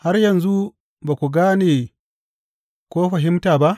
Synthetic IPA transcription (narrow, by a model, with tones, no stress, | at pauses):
ha˦rjɐ˨nzu˦ | baː˨kʷu˨ɡaː˦neː˨ | kʷoː˦ɸɐ˨ɦɪ˦mtaː˨ba˦ʔ